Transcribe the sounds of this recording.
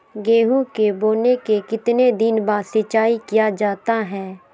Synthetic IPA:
ɡeːɦukeboːnekekɪt̪ned̪ɪnbãːsɪt͡ʃːaːikɪjad͡ʒaːt̪aɦɛː

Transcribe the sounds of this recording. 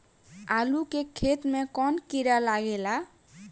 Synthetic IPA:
alukekʰet̪mekɔnkiɾalaɡela

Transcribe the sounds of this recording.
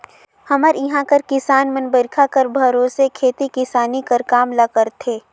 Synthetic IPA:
hɐməɾɪɦãkəɾkɪsaːnmɐnbəɾkʰakɐɾbʱɐɾoːsekʰeːt̪ikɪsaːnikəɾkaːmlakəɾt̪ʰeː

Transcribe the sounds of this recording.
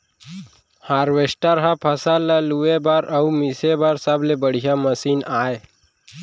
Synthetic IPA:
haɾʋesʈaɾɦapʰəsalːaluʋebaɾaumisebaɾsablebəɽ̤ijaməsiːnae

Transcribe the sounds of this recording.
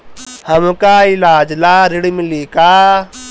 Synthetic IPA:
həmkaːɪlaːd͡ʒlaːɾɪɽmɪliːkaː

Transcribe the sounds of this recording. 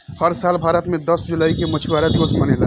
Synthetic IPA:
həɾsaːlbʱaːɾət̪mẽd̪əsd͡ʒʊlaːikemɐt͡ʃʰiʋaːɾad̪iʋəsmɐnela

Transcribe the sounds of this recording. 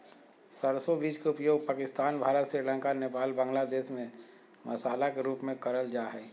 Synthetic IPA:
səɾsobiːd͡ʒkeʊpjoːɡ̚paːkɪst̪aːnbʱaːɾət̪sɪɾlə̃ːŋkaneːpaːlbə̃ːŋɡlad̪eːʃmẽ | mʔɐsaːlakeɾuːpmẽkəɾəld͡ʒaːɦɛː

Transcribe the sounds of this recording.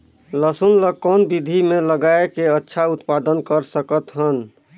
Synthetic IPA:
ləsunləkɔnbid̪ʱimeləɡaekeətːʃʰaut̪pad̪ənkəɾsəkət̪ɦən

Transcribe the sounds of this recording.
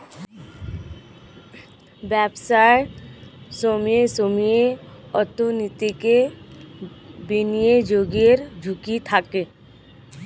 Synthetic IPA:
bɛːbsaɪʈsoːmiesoːmijeɔt̪onit̪ike | binijed͡ʒoːɡeɾd͡ʒʱʊkit̪ʰake

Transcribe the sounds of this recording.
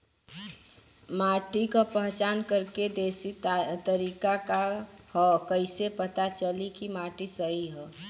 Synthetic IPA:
maʈikapəɦt͡ʃankəɾked̪esit̪əɾikakahɔkəɪsepət̪at͡ʃəlikimaʈisəɦiɦɔ

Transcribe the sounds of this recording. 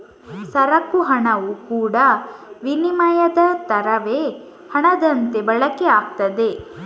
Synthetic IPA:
sɐɾɐkːuɦɐɳɐʋukuːɽɐʋinimɐjɐd̪ɐt̪ɐɾɐʋeː | hɐɳɐd̪ɐnt̪e̞bɐɭɐkeaːkt̪ɐd̪e̞

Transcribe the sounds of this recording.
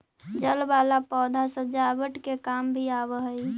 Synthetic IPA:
d͡ʒəlbalapɔd̪ʱasəd͡ʒabəʈkekambʱiabəɦəi

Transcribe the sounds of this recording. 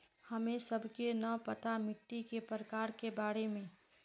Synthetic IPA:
həmẽsəbʱkenəpət̪amɪʈ̪ːikepɾəkaːɾkebaːɾemẽ

